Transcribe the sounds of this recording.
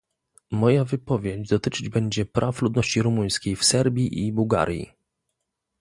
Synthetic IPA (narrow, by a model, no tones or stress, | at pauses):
mɔjavɘpɔvʲjed͡ʑd̪ɔt̪ɘt͡ʂɘd͡ʑbɛɲd͡ʑɛpɾʔaflud̪nɔɕt͡ɕiɾumuj̃skʲejfsɛɾbʲjiʔibuwɡa̰ɾʲjḭ